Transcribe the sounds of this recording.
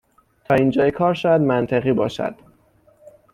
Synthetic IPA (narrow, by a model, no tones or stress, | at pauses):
t̪ʰɒːind͡ʒɒːjekʰɒːɾʃɒːjæd̪mænt̪ʰeɣiːbɒ̰ːʃæ̰d̪̥